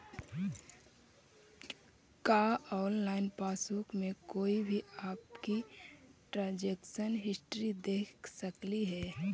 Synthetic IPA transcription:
kaːɔːllaːɪnpaːsukmẽkoːibʱiaːpkiʈɾaːd͡ʒeːksənɦɪsʈɾid̪eːksəkliɦɛː

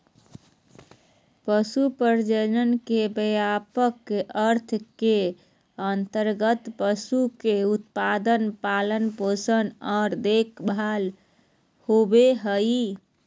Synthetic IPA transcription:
pəsupəɾd͡ʒənənkebəjapəkəɾt̪ʰke | ənt̪əɾɡət̪pəsukeut̪pad̪ənpalənposənaɾd̪ekʰbʱal | hobeɦəji

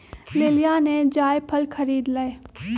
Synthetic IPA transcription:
leːlijaned͡ʒaːjpʰəlkʰɐɾiːd̪laːe

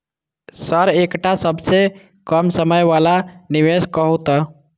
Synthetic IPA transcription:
səɾekʈasəbse | kəmsəməjʋalaniʋeskəɦut̪ə

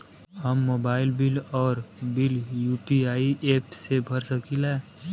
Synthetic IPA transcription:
həmːoːbaːɪlbɪlɔːɾbɪljuːpiaːiʔeːpsebʱəɾsəkilɛː

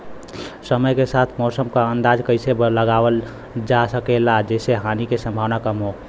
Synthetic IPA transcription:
səməjkesat̪ʰmɔsəmkaənd̪ad͡ʒkəɪsebləɡaʋəl | d͡ʒasəkelad͡ʒeseɦanikesə̃mbʱaʋnakəmɦo

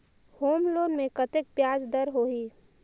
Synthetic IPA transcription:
hoːmloːnmẽkət̪ek̚pjaːd͡ʒd̪əɾɦoːɦiː

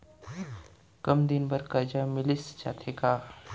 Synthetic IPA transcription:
kɐmd̪ɪnbəɾkɐɾd͡ʒaːmɪlɪst͡ʃa̰ːt̪ʰeːkaː

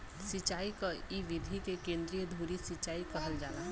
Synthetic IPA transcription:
sɪt͡ʃaːikaiʋɪd̪ʱikekẽːnd̪ɾijəd̪ʱuːɾisɪt͡ʃaːikɐɦəld͡ʒaːla

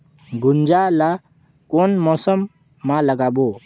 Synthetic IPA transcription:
ɡund͡ʒala | kɔnmɔsəmː | aləɡabo

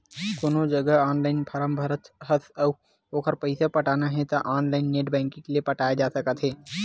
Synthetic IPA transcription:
konod͡ʒəɡəɦaːnlaːɪnpʰɐɾəmbʱəɾət̪ɦət̪ʰə | oːkʰəɾpəɪsapɐʈaːnaɦɛ̃t̪aʔaːnlaːɪnːeːʈbɛ̃ːŋkĩkeliepɐʈaːjed͡ʒaːsɐkət̪ɦɛː

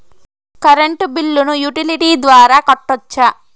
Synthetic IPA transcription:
kɐɾeɳʈbilːunujuʈiliʈiːd̪ʋaːɾaːkɐʈːɔt͡ʃːa

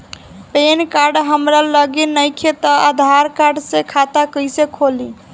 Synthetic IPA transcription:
penkaɾɖɦəmɾaləɡenəjkʰet̪ɔad̪ʱaɾkaɾɖsekʰat̪akəjsekʰoli

